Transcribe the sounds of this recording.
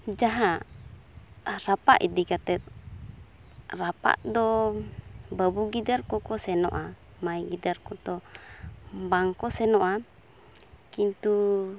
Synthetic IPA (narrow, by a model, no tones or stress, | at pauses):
d͡ʒaɦa | rapa̰ʔḭd̪ikat̪ɛt̪̚ | rapa̰ʔdɔ | babuɡidarkɔkɔsɛnɔ̰ʔa | majɡidarkɔt̪ɔ | mbaŋkɔsɛnɔʔa | kint̪u